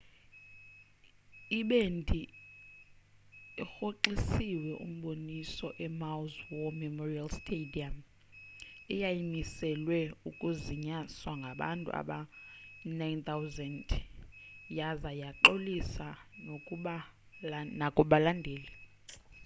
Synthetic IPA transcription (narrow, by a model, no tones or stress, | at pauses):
iɓentʼi | xoǃisiwɛʔṵm̩ɓonisɔʔɛmawzwɔmɛmorialstʰediam | ɛjajimisɛlwɛukʼuziɲaswaŋɡʱaɓa̰ntʼṵa̰ɓa | najnt̪ʰawzɛnd | jazajaǃolisanokʼuɓa | nakʼuɓalandʱeːli